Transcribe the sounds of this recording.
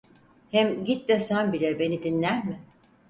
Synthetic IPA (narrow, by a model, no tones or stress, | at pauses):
hɛmɟit̪̚d̪ɛsæmbilʲiɾbe̞nid̪inlʲæɾmɪ